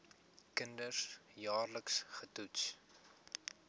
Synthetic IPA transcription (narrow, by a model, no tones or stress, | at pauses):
kəndəsjɑːrləksχətuts